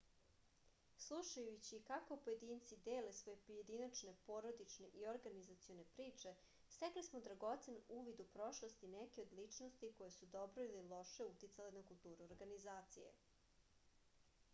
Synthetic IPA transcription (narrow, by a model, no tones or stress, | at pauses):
slˠuʃajut͡ɕikakoupoje̞d̪iːnt̪sid̪eːle̞sʋojepoje̞d̪inat͡ʃne̞po̞ɾo̞d̪it͡ʃne̞ʔioɾɡanizat̪sijone̞pɾiːt͡ʂe̞ | st̪eklismod̪ɾaɡo̞t̪senuːʋid̪upɾo̞ʃlˠost̪inekeo̞d̪lit͡ʂno̞st̪iko̞jesud̪obɾoililˠo̞ʃe̞ut̪it̪salenakulˠt̪uːɾuoɾɡanizaːt̪sḭjḛ